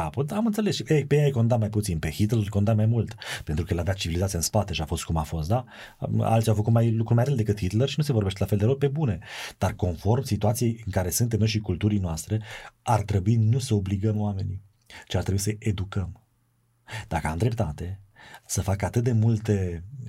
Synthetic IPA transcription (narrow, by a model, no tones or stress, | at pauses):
apod̪aamɨnt̪se̞lesʃejpejejajko̞nd̪at̪majput̪sinpehit̪lerko̞nd̪amajmult̪pent̪ɾukəjelad̪at̪̚t͡ʃivilizat̪siaɨnspat̪e̞ʃiafo̞st̪̚kumafo̞st̪̚d̪a | a̰lt̪sijawfəkut̪majlukɾumajɾeld̪e̞kɨt̪hit̪lerʃinuse̞vorɾbe̞ʃt̪elafeld̪eope̞bune̞d̪̥arko̞nfo̞rmsit̪uat̪sijejɨŋkaɾe̞sɨnt̪̬emɨnʃ̬ikult̪uɾijnoast̪ɾe̞art̪ɾe̞buinusəo̞bliɡəmoame̞ni | t͡ʃiart̪ɾebuisəʔed̪ukəm | d̪̥akəamd̪ɾe̞p̚t̪at̪e̞səfakəat̪ɨt̪̚d̪e̞mult̪e̞